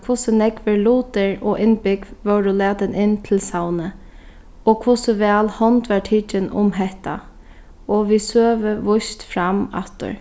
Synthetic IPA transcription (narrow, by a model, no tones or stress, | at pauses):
kʰʊsənɛɡʋəɹluːt̪əɹɔʔɪnbɪkʋœwɾʊlɛːd̪ənʔɪnt̪ʰɪlsawnə | ɔːkʰʋʊsəʋɛːlhɔnt̪ʋɑʈʰiːt͡ʃənʊ̰mɦɛht̪a̰ | ɔʋiːsøːʋəʋʊst̪fɾama̰t̪ə̰ɹ